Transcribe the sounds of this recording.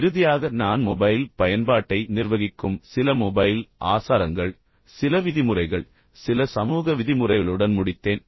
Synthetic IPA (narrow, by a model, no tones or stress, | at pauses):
ɪɾɯðɪjaːɣɐnaːnmɔbɐjlpɐjɐnbaːʈːɐɪnɪrʋɐɣɪkːɯmsɪlɐmɔbɐjlʔaːsaːɾɐŋɡɐɭ | sɪlɐʋɪðɪmɯrɐɪɣɐɭ | sɪlɐsɐmuːɣɐʋɪðɪmɯrɐɪɣɐɭɯɽɐnmʊɽɪt̪ːeːn